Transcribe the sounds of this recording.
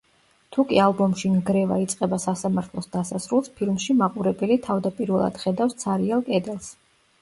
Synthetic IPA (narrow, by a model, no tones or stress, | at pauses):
t̪ʰukʼialˠbɔmʃinɡɾɛva̰it̪sʼqʼɛbasasamaɾt̪ʰlˠɔsd̪asasɾulˠspʰilˠmʃimaqʼuɾɛbɛlit̪ʰavd̪apʼiɾvɛlˠa̰d̪̥χɛd̪afst̪sʰaɾialˠkʼɛd̪ɛlˠs